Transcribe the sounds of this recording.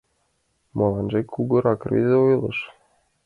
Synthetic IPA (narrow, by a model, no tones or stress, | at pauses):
molˠɑnʒekʲːuɡɤ̆ɾɑkrʲḭzʲeujlˠɤ̰̆ʃ